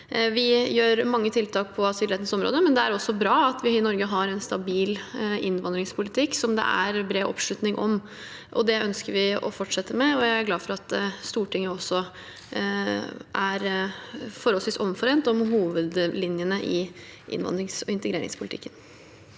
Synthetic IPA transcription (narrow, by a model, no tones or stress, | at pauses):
ʋɪjøːɾmɑŋːət̪ʰɪlt̪ʰɑːk̚pʰɔɑsɪlɾeːt̪nsɔmɾo̰ːd̪əmɛnd̪ɛæɾɔsɔbɾɑːɑt̪ʋɪɪnɔɾɡəɦɑɾɛnst̪ɑbiːlɪnːʋɑnd̪ɾɪŋspʰʊlɪt̪ʰɪkːsɔmd̪ɛ̰ʔæ̰ɾbɾeːʔɔ̰pʂɭʉt̪nɪŋʔɔm | ʔɔ̰d̪ɛœnskəɾʋɪɔ̰fɔʈʂɛt̪ːəmɛɔjæɪæɾɡlɑːfɔɾɑt̪̚d̪ɛst̪uːʈɪŋːəɔsːɔ | ʔæɾ | fɔɾhɔləsiːsɔmfɔɾeːnt̪ɔmhuːʋəd̪lɪnjənəʔɪʔɪ̰nʋɑ̰nd̪ɾɪŋsɔɪnt̪əɡɾeːɾɪ̰ŋspʰʊlɪt̪ʰɪ̰kːən